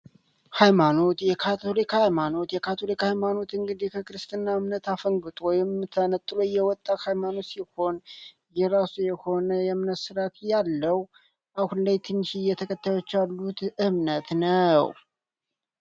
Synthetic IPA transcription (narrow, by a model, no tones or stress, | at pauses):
hajmano̞t̪jɛkʰat̪ʰo̞likhajmano̞t̪jɛkʰat̪ʰo̞likhajmano̞t̪ɨŋɡɨd̪ikʰəkɨɾɨst̪ʼɨnːaɨmnət̪afəŋɡɨt̪ʼwɔjɪmt̪ʰənət̪ʼːloɪjːɛwɔt̪ʼːahajmano̞t̪siho̞n | jɛɾasujɛho̞nəjɛmnət̪sɨɾat̪jalːəw | ʔahunlajt̪ʰɨnːʃijɛt̪ʰəkʼʰət̪ʰːəwot͡ʃːalːut̪ɨmnət̪nəw